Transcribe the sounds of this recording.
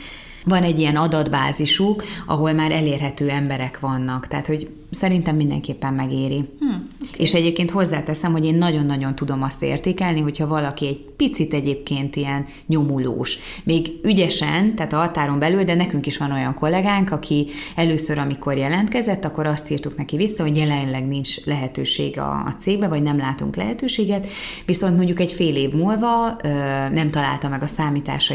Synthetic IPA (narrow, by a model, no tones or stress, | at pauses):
vɒnɛɟːijɛnɒd̪ɒd̪baːziʃukɒ̰ɦo̞lmaːɾʔɛleːrɦɛt̪øːɛmbɛɾɛkʋɒnːɒkt̪ɛ̰ːt̪ho̞ɟ | sɛɾint̪ɛmːind̪ɛ̰ŋkeːpːɛmːɛɡeːɾi | eːʃɛɟeːp̚keːnt̪ho̞zːaːt̪ɛsɛmho̞ɟeːnːɒɟo̞nːɒɟo̞n̪t̪ud̪o̞mɒst̪ḛːrt̪eːkɛlniɦo̞chɒvɒlɒkiɛɟ̚pit̪sit̪ɛɟeːp̚keːnt̪ijɛn | ɲo̞mulo̰ːʃ | meːɡyɟɛʃɛnt̪aːt̪ɒɦɒt̪aːɾo̞mbɛlyld̪ɛnɛkyŋkiʃʋɒno̞jɒŋko̞lːɛɡaːŋkɒkʰiɛløːsøɾɒmiko̞rjɛlɛnt̪kɛzɛt̪ːɒkːo̞ɾɒst̪iːrt̪uknɛkivisːɒɦo̞ɟjɛlɛnlɛɡnint͡ʃlɛɦɛt̪ø̰ːʃḛːɡɒ̰ːt̪seːɡ̚bɛvɒɟnɛmlaːt̪ṵŋklɛ̰ɦɛt̪øːʃeːɡɛt̪ʋiso̞nt̪mo̞ɲɟːukɛcfeːleːvmuːlvɒøːnɛmt̪ɒla̰ːlt̪ɒmɛɡɒsaːmit̪a̰ːʃ